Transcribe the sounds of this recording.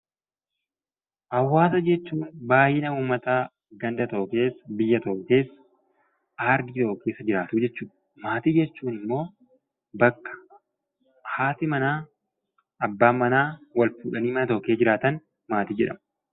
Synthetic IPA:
ʔɐwːaːsɐd͡ʒɛt͡ʃːuːnbaːjɪnɐuːmɐt̪aː | ɡɐnd̪ɐt̪o̞ːke̞ːsbɪjːɐt̪oːke̞ːs | ʔaːɾd̪ɪt̪o̞ːkeːsːɐd͡ʒɪɾaːt̪uːd͡ʒɛt͡ʃːuːᶑɐ | maːt̪iːd͡ʒɛt͡ʃːuːnɪmːo̞ː | bɐkːɐ̥ | haːt̪ɪmɐnaː | ɐbːaːmɐnaːwɐlfuːᶑɐniːmɐnɐt̪oːkeːd͡ʒɪɾaːt̪ɐn | maːt̪iːd͡ʒɛᶑɐ̰m

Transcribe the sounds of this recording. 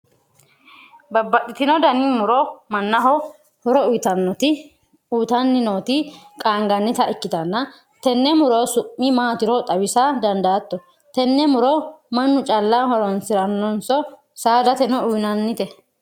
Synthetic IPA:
bɐbːɐt̪ʼːɪt̪ɪnɔd̪ɐnimʊɾomɐnːɐɦɔ | hɔɾɔʊt̪ɐnːɔt̪ɪ | uːt̪ɐnːɪno̞ːt̪ɪkʼaːŋɡɐnːɪt̪ɐʔɪkːɪt̪ɐnːɐ | t̪ɛnːɛmʊɾoːsʊʔːɪmaːt̪ɪɾɔt̪ʼɐwɪsad̪ɐnd̪aːt̪ːɔ | t̪ɛnːɛmʊɾomɐnːʊt͡ʃʼɐlːahɔɾɔnsɪɾɐnːɔnsɔ | saːd̪ɐt̪ɛnɔʊnɐnːɪt̪ɛ

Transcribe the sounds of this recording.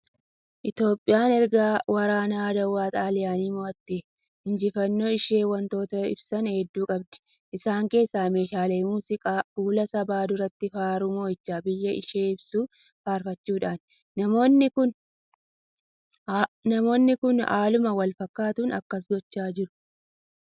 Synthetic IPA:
ʔɪt̪jo̞ːpʼːɪjaːnɛɾɡaːwɐɾaːnaːd̪ɐwːaːt̪ʼaːlɪjaːniːmɔɐt̪ːeː | hɪnd͡ʒɪfɐnːo̞ːɪʃe̞ːwɐnt̪o̞ːt̪ɐɪ̰bsɐnhɛd̪ːuːkʼɐbd̪ɛ̥ | ʔɪsaːŋke̞ːsːaːme̞ːʃaːleːmuːsɪkʼaːuːlɐsɐbaːd̪ʊɾɐt̪ːɪfaːɾʊmo̞ːɪt͡ʃːaːbɪjːɐʔɪʃeːɪbsuː | faːɾfɐt͡ʃːuːᶑaːnː | ɐmoːnːɪkʊn | nɐmo̞ːnːɪkʊna̰ːlʊmɐwɐlfɐkːaːt̪ʊnɐ̰kːɐs̬ɡɔt͡ʃːaːd͡ʒɪɾʊ̥

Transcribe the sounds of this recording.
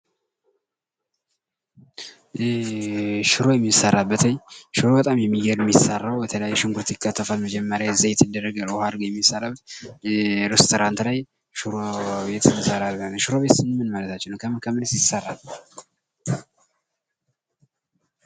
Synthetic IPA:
ʃɨɾo̞jɛmːisːərːalbət̪ʰəɲʃɨɾo̞bət̪ʼamjɛmːijɛɾmːisarːawbət̪ʰələjajːɛʃɪŋɡuɾt̪ʰikʰːat̪ʰːəfalməd͡ʒɛmːəɾjaɨzajɛt̪ʰːɨd̪ərːəɡalhad̪ɡəjɛmːisːarabət̪ | ɾest̪ʰoɾant̪laj | ʃuɾoβet̪ɨt̪ːɨsəɾalbənʃuɾo̞βe̞t̪sɨnɨmɨnmalət̪ʰat͡ʃːɛnwkʰəmkʰəmɨnsjɪsərːal

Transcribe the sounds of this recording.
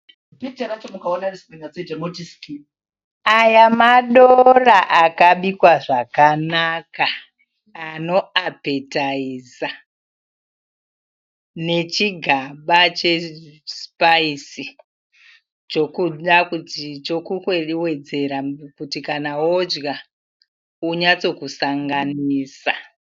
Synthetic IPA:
bit͡ʃeɾat͡ʃomukaonarespenat͡setenotiski | ajamaɗoraʔakaɓikwaʐakanakaː | no̞ape̞taiza | ne̞t͡ʃiɡʱaɓat͡ʃe̞spaisi | t͡ʃokuɗakutit͡ʃokukewe̞d͡ze̞ɾakutikanawod͡ʒɡa | uɲat͡so̞kusaŋɡaniːsa

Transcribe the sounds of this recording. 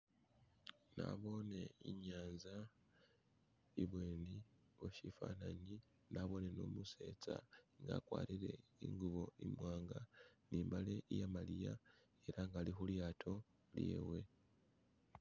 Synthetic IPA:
na̰βo̞ne̞iɲaːnza | iβwe̞ːni | oʃifa̰naɲi | naβo̞ne̞no̰ːmuse̞̰ːt͡saŋɡa̰ːkwa̰ːɾiɾe̞iŋɡuβo̞imwaːŋɡaniːmbale̞ijamalija | e̞ɾaŋɡalixuljaːtʰo̞ | ljḛːwe̞

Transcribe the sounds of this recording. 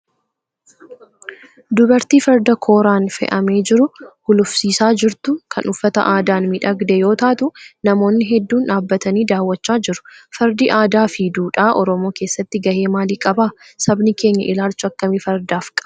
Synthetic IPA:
d̪ʊbɐɾt̪iːfɐɾd̪ɐkʰo̞ːɾaːnfɛ̰ʔɐme̞ːd͡ʒɪɾʊhʊlʊfsiːsaːd͡ʒɪɾt̪ʊkʰɐnʊfːɐt̪ɐ̰ʔaːd̪aːnmɪᶑɐɡd̪ɛjo̞ːt̪aːt̪ʊnɐmo̞ːnːɪɦɛd̪ːuːnᶑaːbːɐt̪ɐniːd̪aːwːɐt͡ʃːaːd͡ʒɪɾʊ̥fɐɾd̪iːʔaːd̪aːfid̪uːᶑaːʔɔɾɔmo̞ːkeːsːɐt̪ːɪɡɐhe̞ːmaːliːkʼɐbaːsɐbnɪke̞ːɲːɐʔɪlaːlt͡ʃʊɐkːɐmiːfɐɾd̪aːfkʼɐ

